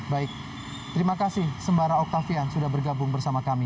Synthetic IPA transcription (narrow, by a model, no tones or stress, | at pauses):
baɪk̚ | t̪əɾimakasɪhsəmbaɾaokafiansudahbərɡabʊŋbərsamakami